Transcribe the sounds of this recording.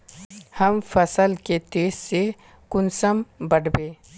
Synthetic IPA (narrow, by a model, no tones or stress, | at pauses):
hɐmfɐsəlket̪eːzse | kʊnsəmbɐɽbẽː